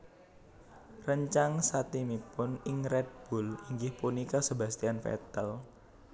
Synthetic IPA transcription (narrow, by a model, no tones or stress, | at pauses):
rəɲt͡ʃaŋsat̪imipʊnɪŋɾɛd̪̚b̥uliŋɡɪhpunikɔsəba̤st̪ianfɛ̰t̪əl